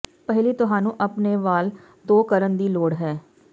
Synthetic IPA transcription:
pɛɦliːt̪ʊɦãːnũːʔəpneːʋaːl | d̪oːkəɾənd̪iːloːɽɦɛː

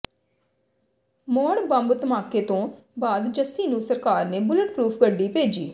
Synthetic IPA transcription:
mɔːɽbəmbt̪əmaːkeːt̪õː | baːd̪d͡ʒəsːiːnũːsəɾkaːɾneːbʊləʈpɾuːpʰɡəɖːiːpeːd͡ʒiː

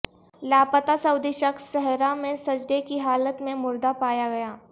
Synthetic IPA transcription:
laːpət̪asɐʊd̪iʃɐksʃɛɦɾamẽsɐd͡ʒd̪ekiɦaːlət̪mẽmʊɾd̪apaːjaɡɐjaː

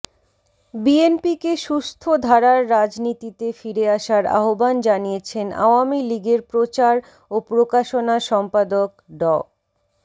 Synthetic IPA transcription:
bienpikeʃust̪ʰod̪ʱaɾaɾːad͡ʑnit̪it̪efiɾeaʃaɾa̰ɦoband͡ʑanijet͡ɕʰena̰oamiliɡeɾpɾot͡ɕaɾ | opɾokaʃonaʃɔmpad̪okɖɔ

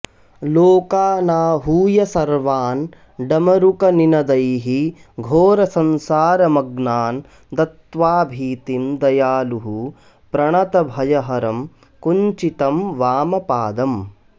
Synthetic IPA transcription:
loːkaːnaːɦuːjɐsɐɾʋaːn | ɖɐmɐɾukɐninɐd̪ɐjɦi | ɡʱoːɾɐsɐnsaːɾɐmɐɡnaːn | t̪ɐt̪ʋaːbʱiːt̪imd̪ɐjaːluɦu | pɾɐɳɐt̪ɐbʱɐjɐɦɐɾɐm | kuɲt͡ʃit̪ɐmʋaːmɐpaːd̪ɐm

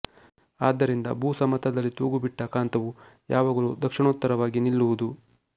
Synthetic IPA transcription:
aːd̪ːɐɾind̪ɐ̰buːsɐmɐt̪ʰɐd̪ɐlːit̪oːɡubiʈːɐkaːnt̪ɐʋujaːʋaːɡɐlud̪ɐkʂiɳoːt̪ːɐɾɐʋaːɡinilːuʋud̪u

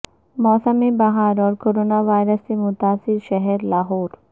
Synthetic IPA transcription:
mɔːsəmibɐɦaːɾɔːɾkoɾoːnaʋaːɪɾəsːemʊt̪aːsɪɾʃɐɦɛɾlaːɦoːɾ

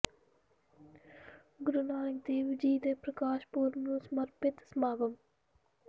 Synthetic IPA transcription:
ɡʊɾunaːnɪk̚d̪eːʋd͡ʒiːd̪eːpɾəkaːʃpuːɾmũːsmɐɾpɪt̪smaːbəm

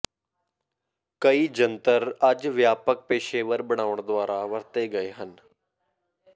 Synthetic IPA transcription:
kəiːd͡ʒənt̪əɾəd͡ʒʋjaːpək̚peːʃeːʋəɾbəɽ̃aːʋəɳ̃d̪ʊaːɾaʋəɾt̪eːɡəeːɦən

